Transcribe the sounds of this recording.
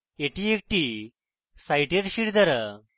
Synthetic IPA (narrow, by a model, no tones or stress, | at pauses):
eʈiek̚ʈi | sajʈeɾɕiɽd̪əɾa